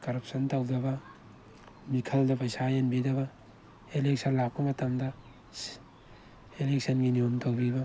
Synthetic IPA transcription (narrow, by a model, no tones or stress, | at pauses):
kɐɾɐp̚sʰɐntɐwdɐbɐ | mikʰɐldɐpɐjsajenbidɐbɐ | elek̚sʰɐnlak̚pɐmɐtɐmdɐ | elek̚sɐnɡiniomtʰowbibɐ